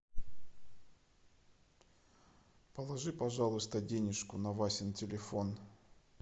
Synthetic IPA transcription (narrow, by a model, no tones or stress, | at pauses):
pəlˠɐʐɨpɐʐalˠʊst̪ədʲenʲɪʂkʊnɐvasʲɪntʲɪlʲɪfon